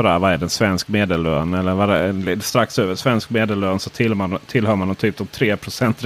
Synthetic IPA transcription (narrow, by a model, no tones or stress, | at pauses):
ɔɾæɾvaæɖɛnsvɛnskmeːd̪ɛlø̰ːnɛlːəɾvadɛlɪst̪ɾaksøːvəʂvɛnskmeːd̪ɛløːnsɔt̪ʰɪlmat̪ʰɪlhœːɾmand̪ɔmt̪ʰyːp̚d̪ɔmt̪ʰɾeːpʰɾʊsɛnt̪ɾ